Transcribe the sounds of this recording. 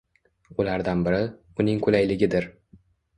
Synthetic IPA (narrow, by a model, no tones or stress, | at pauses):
ʊlaɾd̪anbɪɾɪ | ʊnɪŋkʰʊlajlɪɡʲɪd̪ɪɾ